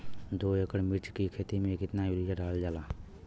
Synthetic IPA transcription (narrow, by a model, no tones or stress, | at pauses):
d̪oːeːkəɽmɪɾt͡ʃkikʰeːt̪imẽkɪt̪najuɾɪjaɖaːld͡ʒaːlaː